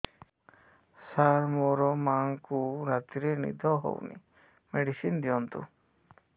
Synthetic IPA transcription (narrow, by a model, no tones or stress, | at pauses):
saɾmɔɾɔmaŋkuɾat̪iɾɛnḭd̪ʱɔɦɔ̰wnḭ | meɖisind̪ijɔnt̪ṵ